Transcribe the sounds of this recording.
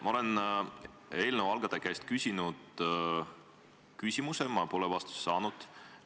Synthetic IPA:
mɑo̞le̞n | e̞ːlnevɑlɡ̥ɑd̪̥ekæst̪̚kysʲinud̪̥ | kysʲimusemɑpolevɑst̪u̥sːɑːnud̪̥

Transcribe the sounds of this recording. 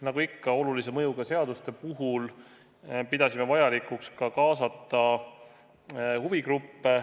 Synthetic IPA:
nɑɡ̥uikːɑo̞lulise̞mɤjuɡ̥ɑse̞ɑd̪̥ust̪e̞puɦul | pid̪ɑsime̞vɑjɑlikˑukskɑkɑːsɑt̪ˑːɑ | huvikrupːe

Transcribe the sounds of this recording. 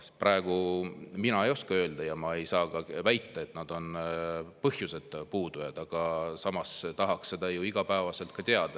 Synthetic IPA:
prʔɑeɡ̥uminɑe̞jo̞skɑø̞ːld̪̥ɑjɑmɑe̞jsɑːɡɑvæjt̪ˑːɑe̞t̪ːˑnɑd̪o̞npɤhjuse̞d̪̥puːd̪̥ujɑd̪̥ɑɡ̥ɑsɑmɑst̪ɑɦɑksːe̞d̪̥ɑjuiɡ̥ɑpæːvɑse̞lt̪̚kɑt̪eɑd̪̥ɑ

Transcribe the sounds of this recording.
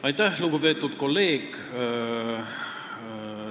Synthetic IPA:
ɑjt̪ːˑæhluɡ̥upe̞ːt̪ːˑud̪̥ko̞lːe̞ːɡ

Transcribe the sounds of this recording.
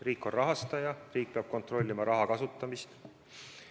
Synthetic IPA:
riːkːˑo̞nrɑɦɑst̪ɑjɑriːk̚peɑb̥̚ko̞nt̪ro̞lʲːimɑɾɑɦɑkɑsut̪ːˑɑmist̪

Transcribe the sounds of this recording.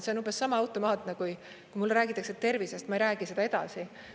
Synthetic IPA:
se̞onumbesːɑmɑɑwt̪ˑo̞mɑːt̪ˑnekuj | kkujmulːɾæːɡit̪ːˑɑkset̪e̞rvisest̪mɑejɾæːɡ̥ise̞d̪̥ɑed̪ɑ̰si

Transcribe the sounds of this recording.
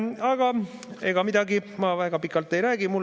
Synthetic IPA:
ɑɡ̥ɑe̞ɡ̥ɑmid̪̥ɑɡimɑvæːɡ̥ɑpikːˑɑlt̪ːˑe̞jɾæːɡ̥imul

